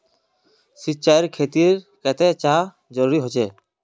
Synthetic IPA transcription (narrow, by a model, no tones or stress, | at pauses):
sit̪̚t͡ʃaiɾkʰet̪iɾ | kɛt̪et͡ʃa | d͡ʒɔɾuɾiɦot͡ʃɛ